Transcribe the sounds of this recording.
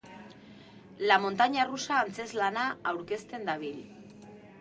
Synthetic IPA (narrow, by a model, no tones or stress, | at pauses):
lamo̞nt̪aɲarusaːnt͡se̞zlanaawɾke̞st̪e̞nd̪aβ̞il